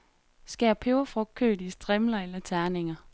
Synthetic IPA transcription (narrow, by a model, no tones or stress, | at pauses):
sɡ̥ɛːpʰeʊɐfʁɔ̽ɡ̥̚kʰːø̰ːd̥isd̥ʁɛmlɐelɐt͡sʰæɐne̝ŋɐ